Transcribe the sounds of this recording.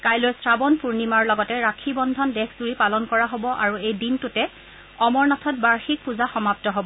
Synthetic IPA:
kajlojsɹabɔnpuɹnimaɹlɔɡɔtɛɹakʰibɔndʱɔndɛkʰzuɹipalɔnkɔɹaɦobɔʔaɹuejdintʊtɛ | ɔmɔɹnatʰɔt̚baɹxik̚puzaxɔmap̚tɔɦobɔ

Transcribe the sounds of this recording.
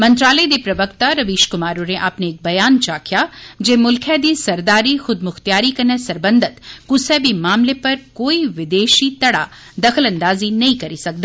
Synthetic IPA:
mɐ̃nt̪ɾaːləid̪epɾɐʋəkt̪aɾɐʋiːʃkʊmaːɾoneʔaːpneːk̚bɐjaːnt͡ʃaːkʰjad͡ʒeːmʊlkʰɛd̪iːsɐɾd̪aːɾixʊd̪̚mʊxt̪jaːɾikɐnəsɐɾbənd̪ʱət̪kʊsɛːbimaːmlepɐɾkoːiʋɪd̪eːʃit̪ɐɽa̰ | d̪ɐxʰəlɐ̃nd̪aːzinɐɦĩkɐɾisɐk̚d̪aː

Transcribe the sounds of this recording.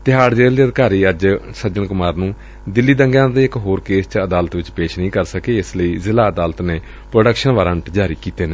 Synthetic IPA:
t̪ɪɦaːɽd͡ʒeːld̪iːəd̪kaːɾiːəd͡ʒsəd͡ʒənkʊmaːɾnũː | d̪ɪlːiːd̪əŋɡãːd̪eːɪkɦoːɾkeːst͡ʃəd̪aːlət̪ʋɪt͡ʃpeːʃnəĩːkəɾsəkeːɪsləiːzɪlaːəd̪aːlt̪neː | pɾoːɖəkʃənʋaːɾəɳʈd͡ʒaːɾiːkiːt̪eːne

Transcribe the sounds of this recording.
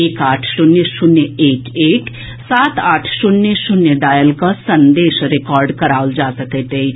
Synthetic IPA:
eːkaːʈʰsʊnːesʊnːəeːkeːk | saːt̪aːʈʰsʊnːesʊnːjəɖaːjəlkasənd̪eːʃɾekɔːɾɖkəɾaːld͡ʒaːsəkət̪ɦei

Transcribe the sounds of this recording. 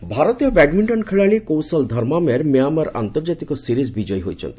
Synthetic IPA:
bʱaɾɔt̪ijɔbɛɖmiɳʈɔnkʰeɭaɭikowsɔld̪ʱɔɾmameɾmiamaɾa̰nt̪ɔɾd͡ʒat̪ikɔsiɾizbid͡ʒɔjɦojt͡ʃʰɔ̰nt̪i

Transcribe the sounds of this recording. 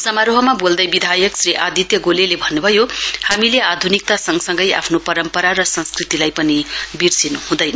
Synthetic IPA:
sʌmaɾoɦʌmabold̪ʌjbid̪ʱajʌksriʔad̪ʱit̪jʌɡolelebʱʌnːubʱʌjohamilead̪ʱunik̚t̪asʌŋɡsʌŋɡʌja̰pʰnopʌɾʌmpʌɾaɾʌsʌ̃nskrit̪ilajpʌnibirsinuhũd̪ʌjnʌ

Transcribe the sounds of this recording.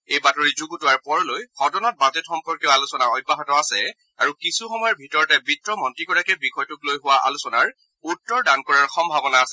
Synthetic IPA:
ejbatɔɹizuɡutʊwaɹpɔɹɔlojxɔdɔnɔt̚bazɛtxɔmpɔɹkjɔalusɔnaɹɔjbːaɦatɔasɛ | aɹukisuxɔmɔjɔɹbʱitɔɹɔtɛbitɹɔmɔntɹikɔɹakɛbixʰɔjtʊklojɦʊwaʔa̰lusɔnaɹ | utːɔɹdankɔɹaɹxɔmbʱabɔnaːsɛ

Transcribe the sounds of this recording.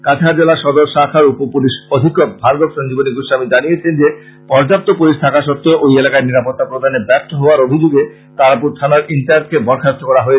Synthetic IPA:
kat͡ɕʰaɾd͡ʑelaʃɔd̪oɾʃakʰaɾupopuliʃod̪ʱikːok̚bʱaɾɡ̪okʃond͡ʑiboniɡuʃamid͡ʑanijet͡ɕʰend͡ʑe | pɔɾd͡ʑap̚t̪opuliʃt̪ʰakaʃɔt̪ːooʔojelakaeɾniɾapɔt̪ːapɾod̪ʱanebɛp̚t̪oɦoaɾobʱid͡ʑuɡe | k̪aɾapuɾt̪ʰanaɾinʈaɾʈ̚kebɔɾkʰat̪ʰːokɔɾaɦoe

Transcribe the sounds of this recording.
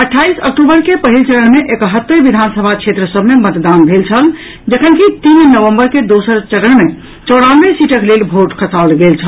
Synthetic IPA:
əʈʰːaisə̰k̚ʈubəɾkepəɦilt͡ʃəɾəɳ̃meʔekəɦət̪ːəɾʋid̪ʱansəbʱakʃʰet̪ɾəsəbmemət̪d̪anbʱelt͡ʃʰəl | d͡ʒəkʰənkit̪innəʋəmbəɾked̪osəɾt͡ʃəɾəɳmme | t͡ʃəɽanʋesiʈəklelbʱoʈkʰəsalɡelt͡ʃʰəll

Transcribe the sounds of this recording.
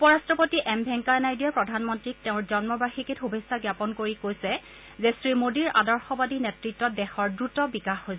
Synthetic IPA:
upɔɹastɹɔpotiʔɛmbʱɛŋkanajdijɛpɹɔdʱanmɔntɹik̚teʊ̃ɹzɔnmɔbaxikitxubʱesaɡjapɔnkoɹikojsɛ | zɛsɹimodiɹa̰dɔɹxɔbadinetɹitːɔt̚dɛxɔɹdɹutɔbikaxːoj

